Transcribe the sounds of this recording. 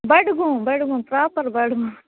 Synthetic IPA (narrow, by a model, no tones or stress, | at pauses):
bɐɽɡũbɐɽuɡũːpɾaːpɐɾbɐɽɡũ